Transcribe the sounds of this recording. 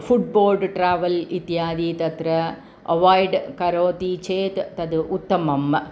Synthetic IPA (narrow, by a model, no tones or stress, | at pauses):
fuʈ̚boːlɖʈɾaːʋɐlit̪jaːd̪iːt̪ɐt̪ɾɐ | ɐʋaːjɖkɐɾoːt̪it͡ʃeːt̪t̪ɐd̪ut̪ːɐmɐm